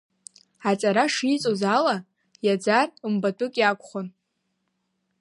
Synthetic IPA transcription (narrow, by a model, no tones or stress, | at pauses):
at͡sʼaɾaʂit͡sʼozala | jad͡zarɨmbatʼʊkʼjakʷʰʼχʊn